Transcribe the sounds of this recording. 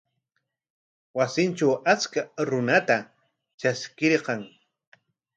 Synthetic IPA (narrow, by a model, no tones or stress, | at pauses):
wasɪnt͡ʃawat͡skaɾʊnat̪a | t͡ʃaskɪɾqɑŋ